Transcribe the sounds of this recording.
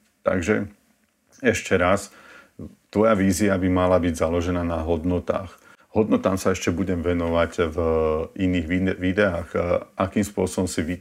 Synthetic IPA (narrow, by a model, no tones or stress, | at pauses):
t̪a̰ɡʒɛ̰ | ɛʃcɛɾas | t̪ʋɔjaʋiːziabimalabiɟzalɔʒɛnaːnaɦɔd̪nɔt̪a̰ːx | ɦɔd̪nɔt̪aːmsaɛʃcɛbuɟɛmʋɛnɔʋaɟviniːɣʋiʋid̪ɛaːxʔakiːmspʊɔsɔbɔmsiʋi